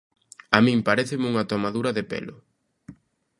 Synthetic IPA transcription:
amĩmpaɾeθɪmuŋɐt̪omaðuɾɐðɪpḛlʊ

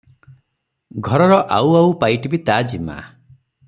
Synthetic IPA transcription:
ɡʱɔɾɔɾɔʔawawpajʈibit̪ad͡ʒima̰

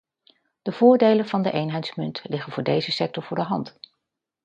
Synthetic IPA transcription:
d̥əv̥ʊːɹdejlənvɑndəʔejnɦɛjtsmʏntlɪχənvʊːɹdejzəsɛk̚tɔɹvʊːɹdəɦɑnt

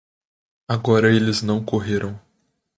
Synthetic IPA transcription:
aɡɔɾɐelɪznɐ̃w̃koɦeɾʔɐ̃w̃

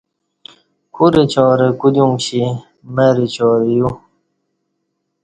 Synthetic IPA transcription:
kʰuɾit͡ɕɔːɾekud̪uŋɡɕi | meɾit͡ɕɔːɾiju

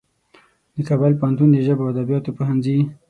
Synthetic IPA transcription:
d̪əkɑbalpahant̪und̪əʒəbawad̪abjɑt̪opohanzi

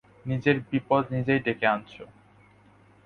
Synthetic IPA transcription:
nid͡ʑeɾbipɔd̪nid͡ʑejɖekeant͡ɕʰo

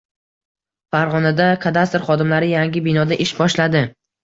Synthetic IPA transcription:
faɾʁɒnad̪aqʰɑd̪ast̪ɪɾχɒd̪ɪmlaɾɪjaŋɡʲɪbɪnɒd̪aʔɪʃbɒʃlad̪ɪ

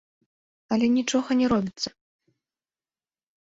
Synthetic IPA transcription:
ɐlʲɛnʲit͡ʂɔɣɐnʲɛɾɔbʲit̪sːɐ

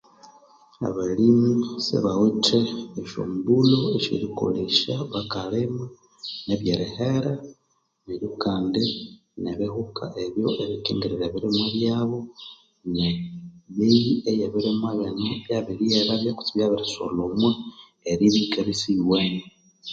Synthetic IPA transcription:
a̰βalimisḛβaweteːʃo̰mubuloeʃḭɾiko̰leʃaβakalema | neβjeɾeheɾa | neɾjukaːnde | neβehukaʔeβjo̞ʔeβikḛːŋɡeɾiɾeβiɾimweβjaːβo̞ | neβijiejeβiɾimweβenoβjaβiɾieɾaβjaku̥t͡siβjaβiɾiso̰lomwe | eɾiβikeβisiβwene

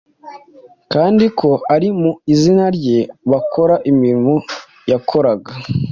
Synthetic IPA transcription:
kaːndikʰo̞aɾimuizinaɾɟe̞βako̞ɾaʔimiɾimo | jakʰo̞ɾaɡa

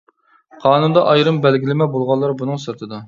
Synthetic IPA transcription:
qʰɑːnund̪ɑʔɑjɾɨmbɛlɡʲilɪmɛbolˠʁɑlˠːɑɾbunɨŋsɨɾt̪ʰɨd̪ɑ

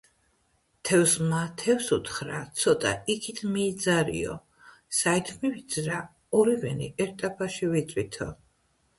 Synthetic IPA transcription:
t̪ʰɛvsmat̪ʰɛfsṵt̪ʰχɾat̪sʰɔt̪ʼa̰ikʰit̪ʰmiːd̪zaɾḭɔ̰ | sait̪ʰmivid̪zɾa | ɔɾivɛnḭʔɛɾt̪ʼapʰaʃivit̪sʼwit̪ʰɔ

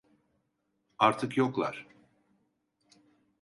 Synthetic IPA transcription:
aɾt̪ʰɯkjoklˠa̰ɾ̥

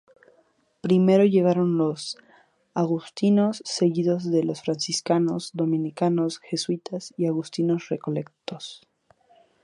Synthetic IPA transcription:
pɾime̞ɾo̞ʝe̞ɣ̞aɾo̞nlo̞s | aɣust̪ino̞sːe̞ɣiðo̞zðe̞lo̞sfɾansiskano̞zd̪o̞mĩnikano̞sxe̞swit̪asiaɣust̪ino̞sre̞ko̞le̞kt̪o̞s

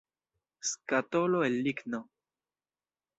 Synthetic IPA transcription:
skat̪oloelːikno

